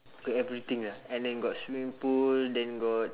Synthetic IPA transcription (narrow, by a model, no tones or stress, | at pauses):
ɡɔtɛvɹit̪ĩŋlahɛ̃ndɛ̃nɡɔtswĩmpuldɛ̃nɡɔt̚